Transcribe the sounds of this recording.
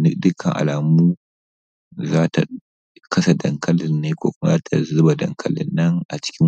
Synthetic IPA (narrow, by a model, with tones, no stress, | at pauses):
nɪ˦dɪ˦kʰɐ˨ŋʔa̰˨laː˨muː˦ | zaː˦tʰa̰˨ | kɐ˦sa˨dɐ˨ŋkʰɐ˦lɪ˨nːeː˦kʷo̰ː˦kʷʊ˦ma˦zaː˦tʰa̰˨zʊ˦ba˨dɐ̰˨ŋkʰɐ˦lɪ̰˨nːɐ˦ŋʔa˨t͡ʃɪ̥˦kʲɪ˦